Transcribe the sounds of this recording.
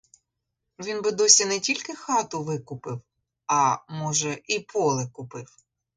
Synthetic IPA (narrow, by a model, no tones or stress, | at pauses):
ʋʲinbɪd̪ɔsʲinɛtʲilʲkɪxɑt̪ʊʋɪkʊpɪw | ɐmɔʒɛʔipʰɔlˠɪkʊpɪw